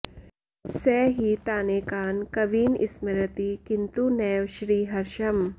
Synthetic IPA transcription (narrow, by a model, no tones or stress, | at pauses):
sɛːɦit̪aːneːkaːnkɐʋiːnɪ̰smɐɾət̪ikɪnt̪unɛjʋʃɾiːɦɐɾʃɐm